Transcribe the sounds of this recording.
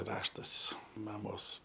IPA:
ˈrɑːʃtɐs ˈmɑːmoːs

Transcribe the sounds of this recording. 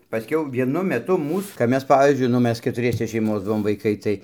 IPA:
pɐˈsʲkʲɛʊ ʋʲiɛˈnʊ mʲɛˈtʊ ˈmuːs kɐp ˈmʲɛs ˈpɑːʋʲiːzʲd͡ʒʲʊɪ nʊ ˈmʲɛs kʲɛtʊˈrʲiɛsʲɛ ʃʲɛɪˈmoːs ˈbʊʋoːm ʋɐɪˈkɐɪ tɐɪ

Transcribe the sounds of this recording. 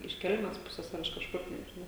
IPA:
ɪʃ ˈkʲɛlʲmʲɛs ˈpʊsʲeːs ɐr ɪʃ kɐʃˈkʊr nʲɛʒʲɪˈnɐʊ

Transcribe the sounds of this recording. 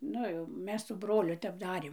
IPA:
ˈnʊ jɛʊ ˈmʲɛs sʊ ˈbroːlʲʊ ˈtʲɛp ˈdɑːrʲeːm

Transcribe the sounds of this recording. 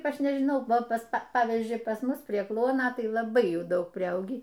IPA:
ˈɐʃ nʲɛʒʲɪˈnɐʊ ˈʋɐ ˈpɐs ˈpɑːʋʲiːzʲd͡ʒʲʊɪ pɐs ˈmʊs pʲrʲiɛ ˈklˠuɔnoː ˈtɐɪ lˠɐˈbɐɪ ˈjuː ˈdɐʊk pʲrʲɪˈɐʊɡʲiː

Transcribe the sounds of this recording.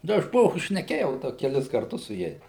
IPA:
dɐ ɐʃ ˈpoː ʃʲnʲɛˈkʲeːjɛʊ ˈdɐ kʲɛˈlʲɪs kɐrˈtʊs sʊ ˈjɛɪs

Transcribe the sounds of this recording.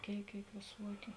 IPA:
ˈkʲeːɪk ˈkʲeːɪk ʋʲeːˈsuɔkʲʊ

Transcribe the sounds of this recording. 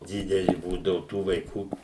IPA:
ˈdʲɪdʲɛlʲɪ ˈbuːdɐʋʊ ˈtuː ʋɐɪˈkuː

